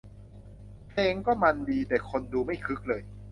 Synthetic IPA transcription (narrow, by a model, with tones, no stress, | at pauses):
pʰa˧ʔe˧ŋkɔː˥˩ma˧ndiː˧t̪ɛː˨˩kʰo˧nduː˧ma˥˩jkʰɯ˦˥k̚lɤː˧j